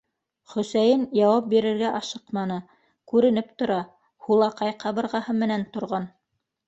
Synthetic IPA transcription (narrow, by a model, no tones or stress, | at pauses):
χɵ̆sæjɘnjɑwɑp̚biɾɘ̆ɾɡæʔɑʃɤqmɑnɤ | kʉɾɘ̆nɘp̚t̪ŏɾɑ | hulˠɑqɑjqɑβɤ̆ɾʁɑhɤmɘ̆nænt̪ŏɾʁɑn